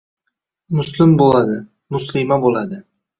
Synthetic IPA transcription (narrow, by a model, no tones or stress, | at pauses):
mʊslɪmbolad̪ɪ | mʊslɪmabolˠad̪ɪ